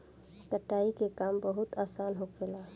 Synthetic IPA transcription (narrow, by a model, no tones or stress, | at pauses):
kəʈːaːikekaːmbəɦʊt̪aːsaːnɦokʰelaː